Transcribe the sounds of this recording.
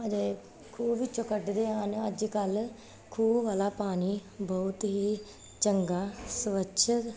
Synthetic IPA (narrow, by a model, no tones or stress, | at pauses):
əd͡ʒeː | kʰuːʋiːt͡ʃəkəɖd̪eːaːnəd͡ʒkəl | kʰuːbʋaːlaːpaːniːbɔʊt̪ɦiː | t͡ʃəŋɡaːsʋəʃʰ